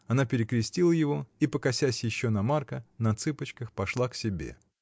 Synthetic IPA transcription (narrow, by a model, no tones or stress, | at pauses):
ɐnapʲɪɾʲɪkɾʲɪsʲtʲilˠəjɪvo̞ipəkɐsʲæsʲjɪɕːonɐmarkənɐt̪sɨpət͡ɕkəxpɐʂlˠaksʲɪbʲe̞̰